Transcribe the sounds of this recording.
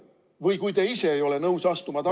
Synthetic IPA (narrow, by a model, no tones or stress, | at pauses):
vɤjkujt̪e̞ise̞ːjo̞le̞nɤuwsɑst̪umɑt̪ɑ